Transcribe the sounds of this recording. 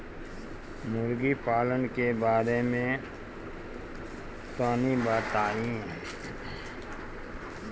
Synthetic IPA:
mʊɾɡipaːlənkebaːɾemẽ | t̪aːnibaːt̪aːiɦ

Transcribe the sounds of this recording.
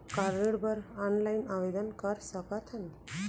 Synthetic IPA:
kaɾiɽbʱəɾanlainaʋed̪ənkəɾsəkat̪ʰən

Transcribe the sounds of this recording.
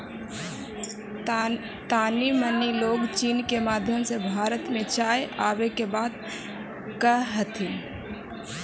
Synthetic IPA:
t̪aːniməniloːɡt͡ʃiːnkemaːd̪ʱjəmsebʱaːɾət̪mẽt͡ʃaːjʔaːwekebaːd̪̚ | kəɦət̪in

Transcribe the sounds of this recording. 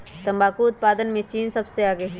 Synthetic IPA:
t̪ɐ̃mbaːkuʊt̪̚paːd̪ənmẽt͡ʃiːnsɐbseaːɡəɦɛ

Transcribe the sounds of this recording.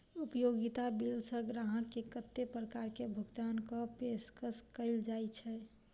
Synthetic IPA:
upjoɡɪt̪abilsə̃ɡɾaɦəkːekət̪ːepɾəkaːɾkebʱʊɡt̪aːnkopeskəskəɪld͡ʒaːit͡ʃʰɛ

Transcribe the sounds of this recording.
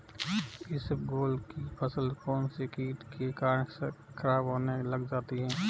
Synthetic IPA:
ɪsəpɡoːlkipʰɐsəlkɔːnsekiːʈkekaːɾɳ | kʰɐɾaːbɦoːnelɐɡd͡ʒaːt̪iɦɛ̃ː

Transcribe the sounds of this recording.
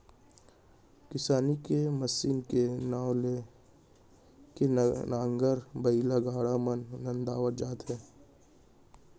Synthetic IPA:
kɪsaːnikeməsiːnkenaːwle | kenãːŋɡəɾbɐilaɡaːɽamənːɐ̃nd̪aːʋəɾd͡ʒaːt̪ɦɛː

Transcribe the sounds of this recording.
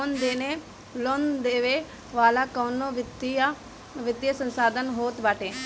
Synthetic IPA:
ond̪eːneː | lond̪eːʋeː | ʋaːlaːkoːnoːʋɪt̪ | ʋɪd̪jəsənsaːd̪ənɦoːt̪ʋaːʈeː

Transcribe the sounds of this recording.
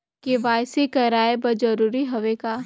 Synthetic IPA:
keʋaːjsekɐɾaːebɐd͡ʒɐɾuːɾiɦɐʋekaː

